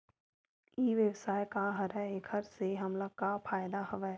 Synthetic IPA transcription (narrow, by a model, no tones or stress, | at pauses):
iːʋjəwsaːjkaɦɐɾɛekʰəɾseɦɐmlakapʰaːjd̪aɦɐʋɛː